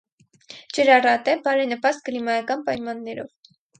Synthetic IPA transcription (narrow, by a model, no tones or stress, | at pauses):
d͡ʒəɾɑrɑt̪ɛbɑɾɛnəpɑst̪̚kəlimɑɑkɑnpɑjmɑnːɛɾɔ̰v